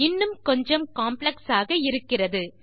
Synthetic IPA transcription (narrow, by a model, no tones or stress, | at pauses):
ɪnːɯmkɔɲd͡ʒɐmkaːmplɐksaːɣɐɪɾɯkːɪrɐðɯ